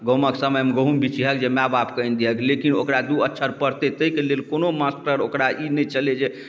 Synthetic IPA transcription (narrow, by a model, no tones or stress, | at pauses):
ɡəɦməksəməjmeɡəɦumbʱit͡ʃʰiɦəkd͡ʒemabapkəind̪iɦəklekino̰kɾad̪uətːʃʰəɾpəɾt̪et̪əikelelkonomasʈəɾokɾaʔinɛt͡ʃʰəled͡ʒe